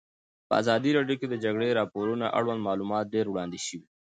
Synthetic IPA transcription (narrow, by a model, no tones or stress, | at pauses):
pəa̰zɑːd̪iɾaɖijoked̪əd͡ʒɐɡɽeɾaːpoːɾunaʔa̰ɽwɐnd̪mɑːluːmɑːt̪̚d̪eːɾwɽaːnd̪iʃəwi